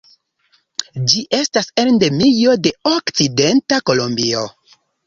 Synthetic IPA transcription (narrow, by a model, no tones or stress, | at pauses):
d͡ʒiʔe̞stasendemijo̞de̞okt͡side̞ntako̞lombio̞